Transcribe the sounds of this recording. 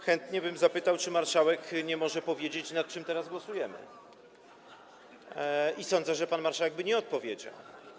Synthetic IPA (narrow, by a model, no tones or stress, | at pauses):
xɛnt̪ɲɛbɘmzapɘt̪awt͡ʂɘmaɾʂawɛkɲɛmɔʐɛpɔvʲjed͡ʑet͡ɕnat̪̚t͡ʂɘmt̪ɛɾazɡwɔsujɛmɘ̰ | isɔ̃nd̪zɛʐɛpanmaɾʂawɛɡ̚bɘɲɛɔt̪̚pɔvʲjed͡ʑa̰w